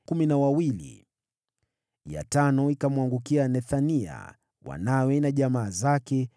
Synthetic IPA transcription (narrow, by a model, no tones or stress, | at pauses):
kuminawawilḭ | ja̰tanɔikamwaŋɡukianɛθania̰ | wa̰nawɛnaʄamaːzakɛ